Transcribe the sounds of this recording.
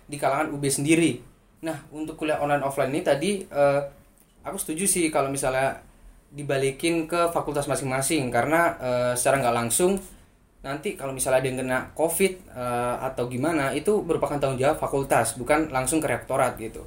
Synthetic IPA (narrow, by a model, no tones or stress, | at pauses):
dikalaŋanubɛsəndiɾi | nahunt̪ʊkːulaɔnlajnɔflannit̪adiə | akusə̥t̪ud͡ʒusɪhkalomisala | dibalikɪnkəfakult̪asmasɪŋmasɪŋkaɾənaəsə̥t͡ʃaɾaŋɡaʔlaŋsʊŋ | nant̪ikalomisaladaŋɡənaʔkofɪt̪̚əa̰t̪awɡimanait̪ubəɾupakant̪aɦund͡ʒaap̪̚fakult̪asbukanlaŋsʊŋkəɾeak̚t̪oɾat̪̚ɡit̪ṵ